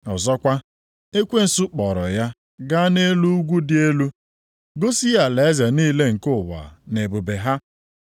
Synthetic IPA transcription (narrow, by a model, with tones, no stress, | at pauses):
ɔ˨zɔ˦kʷa˦ | e˦kʷe˦n̩˨su˦k͡pɔ˨ɾɔ˨ja˦ | ɡa˦ne˦lu˦u˦ɡʷu˦dɪ˦e˦lu˦ | ɡo˦si˦a˨le˨˦za˨niː˦le˦ŋ̩˨kʊ˦˨wa̰˨ne˨bʊ˨be˨ɦa˦